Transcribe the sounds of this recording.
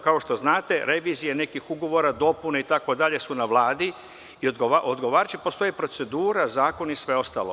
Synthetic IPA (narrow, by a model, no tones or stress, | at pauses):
kao̞ʃt̪o̞znaːt̪e̞ɾe̞ʋiːzijene̞kixuɡo̞ʋo̞ɾad̪o̞puneit̪ako̞d̪aʎe̞sunaʋlˠaːd̪i | iod̪ɡoaʔod̪ɡo̞ʋaːɾat͡ʃepo̞st̪o̞jepɾo̞t̪se̞d̪uːɾazaːko̞nisʋe̞o̞st̪a̰lo̰